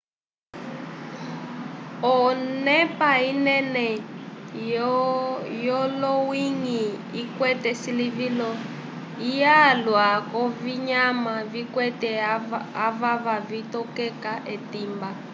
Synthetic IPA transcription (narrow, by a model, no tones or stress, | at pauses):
ɔnɛpainɛnɛ | jɔlɔwiŋiikwɛtɛsilivilɔ | ijalwakɔviɲamavikwɛtɛaβaβavitɔkɛkaʔetiːmba